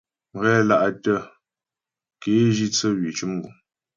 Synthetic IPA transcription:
m˨ɣɛː˦la˦˨ʔa˨tə˦ | ke˨˦ʒi˦t͡sə˦wi˨t͡ʃu˦m˦ɡu˨

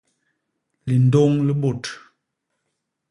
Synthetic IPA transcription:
li˨n̩˨do˦ŋlə˦bo˨t

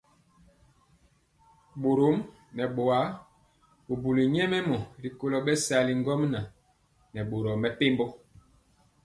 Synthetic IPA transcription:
ɓo˨ɾo˨˦m | nɛ˨ɓo˨a˨˦ | u˨bu˨li˨ɲɛ˦mɛ˦mɔ˨ɾi˨ko˦lɔ˨ɓɛ˦sa˨li˨ŋ˦ɡɔ˦mna˨ | nɛ˨ɓo˨ɾɔ˨mɛ˨pe˦mbɔ˦

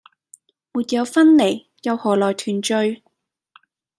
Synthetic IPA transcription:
muː˨t̚jɐ˨˧wfɐ˥nle˨˩j | jɐ˨˧whɔː˨˩lɔː˨˩jt̪ʰyː˨˩nt͡ʃɵ˧ɥ

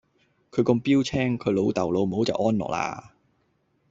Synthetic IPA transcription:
kʰɵ˨˧ɥkɔ˧mpiː˥wt͡sʰɛː˥ŋkʰɵ˨˧ɥlo˨˧wt̪ɐ˨˩wlo˨˧wm̩˨ho˨˥wt͡sɐ̰˨wʔɔː˥nlɔ̰ː˨˩kla̰ː˧

